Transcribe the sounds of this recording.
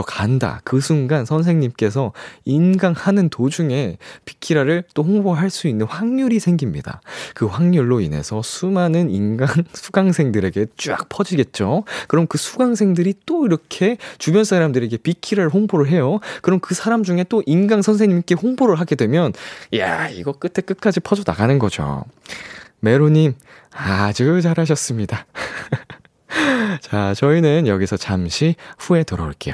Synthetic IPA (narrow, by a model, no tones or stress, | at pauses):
ʌkʰa̰nda̰kɯsʰuŋɡansʰʌns̬ʰe̞ŋɲimk͈e̞s̬ʰʌinɡaŋhanɯntod͡ʑuŋe̞pi̥kʰiɾaɾɯɭt͈ohoŋboɦaɭs͈uinːɯnɸwaŋɲuɾisʰe̞ŋɡimɲḭda̰kɯɸwaŋɲuɭːoine̞̰sʰʌsʰumanɯnḭnɡaŋsʰu̥ɡaŋsʰe̞ŋdɯɾe̞ɡe̞t͡ɕ͈ua̰k̚pʰʌd͡ʑiɡe̞t̚t͡ɕ͈okɯɾʌmkɯsʰuɡaŋsʰeŋdɯɾit͈oiɾʌkʰe̞t͡ɕubjʌnsʰaɾamdɯɾe̞ɡe̞pikʰiɾɯɭɦoŋboɾɯɭɦe̞jokɯɾʌmkɯsʰaɾamd͡ʑuŋe̞t͈oʔinɡaŋsʰʌnsʰe̞ŋɲimik͈e̞hoŋboɾɯɭɦaɡe̞dwe̞mjʌnja̰ḭɡʌk͈ɯtʰe̞k͈ɯt̚k͈ad͡ʑipʰʌd͡ʑʌna̰ɡanɯnɡʌd͡ʑo̰ | me̞ɾoɲim | ad͡ʑut͡ɕaɾɦaɕ̬ʰʌs͈ɯmɲida | t͡ɕat͡ɕʌinɯnjʌɡisʰʌt͡ɕamɕʰiɸue̞tɯɾʌ̰o̰ɭk͈e̞̰jo